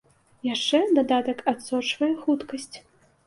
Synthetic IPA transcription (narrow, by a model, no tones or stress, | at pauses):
jaʂt͡ʂɛd̪ad̪at̪ɐkat̪sɔt͡ʂvɐjɛxut̪kɐsʲt͡sʲ